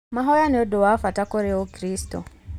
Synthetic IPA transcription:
maɦɔjaneɔdowafatakoɾeokɾistɔ̰

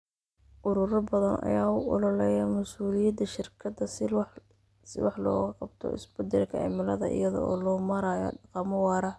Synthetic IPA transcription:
ʔʊɾʊɾɐbɐðɐnɐ̰jaːʊʔɔlɔlɛjɐmɐsuːlɪjɐd̪ɐʃɪrkʰɐd̪ɐ | sɪ̰wɑħlɔ̰ːɣɐqɑb̚t̪ʰɔ̰ʔɪ̰sbɐd̪ɛlkʰɐɛ̰mɪlɐðɐ̰ʔɪ̰jɐðɔ̰ɔːlɔːmɐɾaːjɔ̰ɖɑqɑmɐwɑːɾɐ

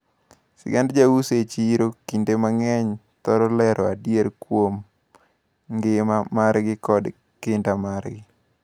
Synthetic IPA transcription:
sɪ̰ɡandd͡ʒawuset͡ʃiɾokindemaŋɛɲ | t̪ɔɾɔlɛɾɔa̰djeɾkwom | ŋɡɪmamaɾɡɪkɔd | kɪndamarɡɪ

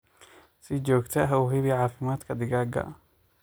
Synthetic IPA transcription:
sɪd͡ʒɔːɡt̪ʰɐɦɐuɦɪβɪʕaːfɪmaːd̪kʰɐd̪ɪɣaːɡɐ̰

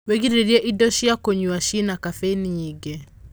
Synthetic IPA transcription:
weɡiɾeɾiɛʔidɔʃiakoɲuaʃinakafeniɲiɡe

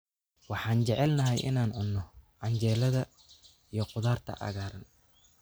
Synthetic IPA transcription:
wɑħɑːnt͡ʃɛʕɛlnɐɦɛjʔɪ̰naːnʕʊnːɔʕɑɲt͡ʃɛːlɐðɐ | ijɞqʊðaːrt̪ʰɐ̰ʔɐ̰ɣaːɾɐn

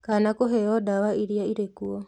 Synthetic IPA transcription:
kaːnakɔɦɛɔdawaiɾiaiɾekuɔ

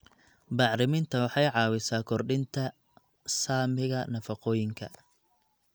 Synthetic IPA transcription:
bɑʕɾɪmɪnt̪ʰɐwɑħɑjʕɑːwɪsaːkʰɔrɖɪnt̪ʰɐ | saːmɪɣɐnɐfɑqɔːjɪŋkʰɐ̰

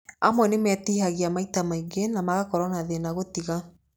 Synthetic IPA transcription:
amwɛnemɛtihaɣiamaitamaiɡenamaɣakɔɾɔnaðenaɣotiɣa

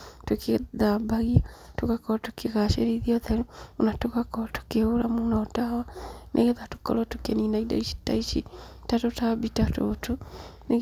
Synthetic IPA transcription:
tukeðabaɣiatukakɔtukiɣaʃeɾiðiɔðenuunatukakɔtu̥keolamunɔtawanʔḛɣeðatu̥kɔ̰lɔtukeninaida̰iʃi̥taiʃitatotabitato̰tune

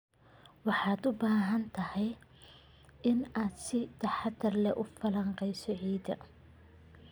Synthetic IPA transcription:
wɑħɑːd̪ʊbaːɦɐnt̪ʰɐhɛj | ɪnaːd̪sɪt̪ʰɐħɑd̪ɐrlɛʔʊfɐlɐɴqɛjsɔʕiːd̪ɐ

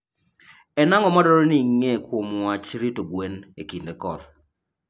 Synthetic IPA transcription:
ɛnaŋɔmadɔɾɔniŋekomwat͡ʃɾitoɡwenekindekɔt̪

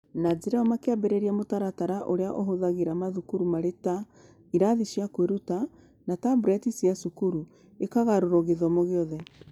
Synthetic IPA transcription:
nad͡zeɾaɔmakeabɛɾɛɾiamotaɾataɾaʔoɾeaʔoɦoðaɣeɾamaðukuɾumaɾeta | iɾaðiʃiakweɾuta | natabɾɛtisiasukuɾu | ekaɣaɾoɾɔɣeðɔmoɣeɔðɛ

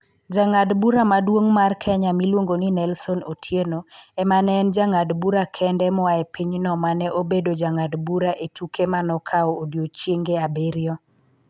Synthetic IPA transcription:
d͡ʒaŋadbuɾamadwoŋmarkʰɛɲamilwoŋɡoninɛlsɔnotʰjenoɛmanɛnd͡ʒaŋadbuɾakʰɛndɛmɔaɛpiɲnɔmanɛʔobedod͡ʒaŋadbuɾaʔetukʰemanɔkʰaɔːdjot͡ʃjeŋɡeabeɾjɔ

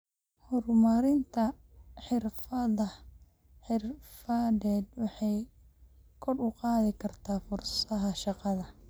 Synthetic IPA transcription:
hɔrmɐɾɪnt̪ʰɐ | ħɪrfɐðɐ | ħɪrfɐdɛːd̪wɑħɑj | kʰɔrʊqɑːðɪkʰɐrt̪ʰaːfʊrssɐɦɐʃɑqɑðɐ

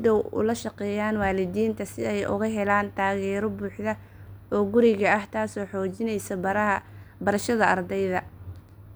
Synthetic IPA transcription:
ɪd̪ɔwʊ̰lɐʃɐqɛːjaːnwɑːlɪd̪iːnt̪ʰɐsɪɛjʔʊ̰ɣɐɦɛlaːnt̪ʰaːɣɛːɾɔbuːħðɐ | ɔːɡʊɾɪɣɐɐht̪ʰaːsɔːħɔːt͡ʃɪnɛjsɐbɐɾɐɦɐbɐɾɐʃɐðɐɐrd̪ɛjðɐ

